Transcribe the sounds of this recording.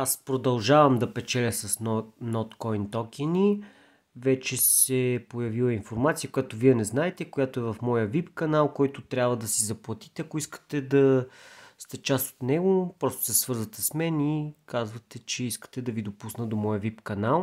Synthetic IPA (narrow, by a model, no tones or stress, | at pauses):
aspɾod̪ɐlˠʒavɐmd̪ɐpɛt͡ʃɛlʲəsɐsnɔt̪kɔint̪ɔkini | vɛt͡ʃɛsɛpojɐvilˠəinfoɾmat̪sijəkʊjat̪oviɛnɛznaɛt̪ɛkojat̪oɛvɐfmɔjəvipkɐnalˠkɔjt̪ʊt̪ɾʲabvəd̪ɐsizɐplˠɐt̪i̥t̪ɛɐkoiskə̥t̪ɛd̪ɐ | st̪ɛt͡ʃast̪o̥t̪nɛɡopɾɔst̪o̥sɛsvɤɾzvət̪ɛsmɛnikazvɐt̪ɛt͡ʃɛiskə̥t̪ɛd̪ɐvid̪opusnəd̪omɔjəvipkɐnalˠ